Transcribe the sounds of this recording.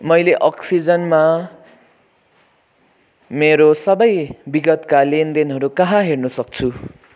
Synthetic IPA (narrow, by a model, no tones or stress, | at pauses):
mʌjleʔʌksid͡zʌnma | meɾosʌbʌjbiɡʌt̪kalend̪enɦʌɾukaɦãɦernusʌk̚t͡sʰu